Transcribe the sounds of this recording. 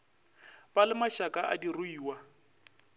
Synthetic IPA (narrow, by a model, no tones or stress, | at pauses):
pʼalɪmaʃakʼaʔa̰dirʊiːwa